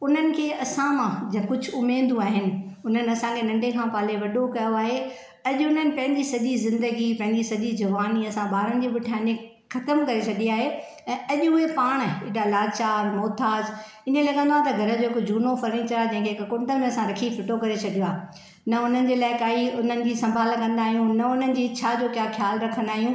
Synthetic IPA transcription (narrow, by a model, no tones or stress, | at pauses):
ʊn̤ənɪ̆kʰeːɐsãmãd͡ʑɐ̃kʊd͡ʑʱʊʊmeːnd̪uaːɦɪnɪ̆ʊn̤ənɪ̆ɐsãkʰenɐ̃ɳɖekʰãːpaːleʋɐɗokɐjoaːɦe | ɐʄʊʊn̤ənɪ̆pɐ̃ɦɪ̃ɲd͡ʑisɐʄizɪ̃nd̪əɡipɐ̃ɦɪ̃ɲd͡ʑisɐʄid͡ʑɐʋaːniɐsãbaːɾənɪ̆d͡ʑiɓʊʈʰãːɲẽ | xɐt̪əmkɐɾet͡ɕʰɐɗiaːɦe | ɛ̃ɐʄʊɦepaːɽ̃ɪɗalaːt͡ɕaːɾmoːt̪ʰaːd͡ʑ | ɪnẽlɐɠə̃nd̪oaːt̪ɐɡʱɐɾə̆d͡ʑoːɪkod͡ʑʱuːnofɐɾniːt͡ɕɐɾaːd͡ʑɐ̃ɪ̃kʰeɦɪkkʊ̃ɳʈəmẽɐsãɾɐkʰifʰɪʈokɐɾet͡ɕʰɐɗijoaː | nɐʊn̤ənɪ̆d͡ʑeːlaːɪkaːiʊn̤ənɪ̆d͡ʑiːsɐ̃mbʱaːlkɐ̃nd̪aːɦijũnɐʊn̤ənɪ̆d͡ʑiːt͡ɕʰad͡ʑoːkjaːxjaːlɾɐkʰə̃nd̪aːɦijũː